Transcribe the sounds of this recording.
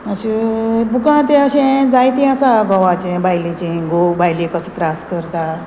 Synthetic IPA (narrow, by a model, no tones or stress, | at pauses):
əɕibukãt̪eəɕẽd͡zajt̪ĩasaɡɔʋat͡ɕẽbajlit͡ɕĩɡobajlekəsət̪ɾaskəɾt̪a